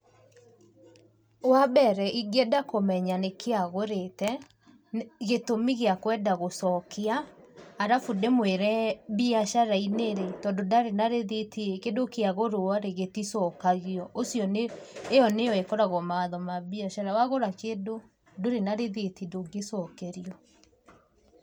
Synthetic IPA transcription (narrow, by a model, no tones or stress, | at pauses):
wabɛɾɛʔiɡedakomɛɲanekʰeaɣoɾetɛ | ɣetomiɣeakwɛdaɣosɔkeaːɾafudemweɾɛβiaʃaɾaineɾetɔndodaɾenaɾeðetikedokeaɣoɾoaɾeɣetisɔkaɣiɔʔosjɔneːjɔnejɔekɔɾaɣɔmawaðɔmaβiaʃaɾawaɣoɾakedo | doɾenaɾeðetidoɡesɔkeɾiɔ